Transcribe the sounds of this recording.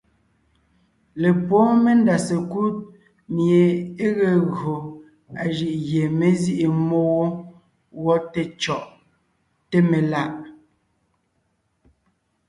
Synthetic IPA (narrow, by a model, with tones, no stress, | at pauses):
le˨pɔ˨˦me˦n˦da˨se˨ku˦t̚ | mje˨e˦ɣe˨ɣo˨ | a˨ʒi˨ʔɣje˨me˦zi˦ʔe˨mo˦wo˦ | wɔ˦te˦t͡ʃɔ˨ʔ | te˦me˨la˦ʔ